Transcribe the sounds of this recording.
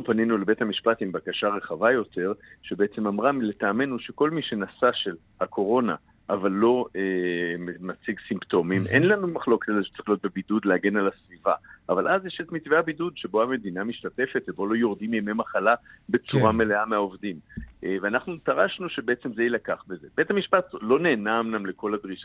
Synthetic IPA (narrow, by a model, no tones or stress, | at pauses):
upaninulebe̞thamiʃpat̪himbakaʃaʁe̞χavajo̞te̞ʁʃebeet͡se̞mamʁamilet̪aːme̞nuʃe̞ko̞lmiʃe̞nasaʃe̞l | hakʰo̞ʁo̞na̰ | ʔavalːo̞emmat͡siɡsimpto̞mimʔe̞̰nlanumaχlo̞ketzeʃe̥t͡saʁiχlio̞t̪̚be̞bidud̪leaɡe̞nalasvivaʔavalʔazjeʃet̪mit͡sveabidudʃe̞bo̞ame̞d̪inamiʃtate̞fe̞t̪vebo̞lo̞jo̞ʁd̪imjememaχalabe̞t͡suʁamele̞ameaovdimʔveanaχnut̪aʁaʃnuʃe̞beet͡semzeilakaχbe̞ze̞be̞thamiʃpatlo̞ne̞ːnamnamle̞ko̞lad̪ʁiʃa